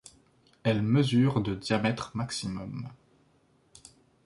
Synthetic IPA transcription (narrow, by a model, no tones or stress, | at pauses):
ɛlməzyːʁd̪əd̪jamɛt̪χmaksimɔm